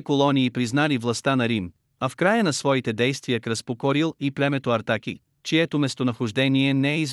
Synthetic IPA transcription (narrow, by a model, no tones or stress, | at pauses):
kolˠɔniːpɾiznalivlˠɐst̪anɐɾim | ɐfkɾajənɐsvɔit̪ɛd̪ɛjst̪vijəkɾəspokɔɾilˠiplʲɛmɛt̪oɐɾt̪akḭ | t͡ʃiɛt̪omɛst̪onɐxoʒd̪ɛniɛnɛɛiz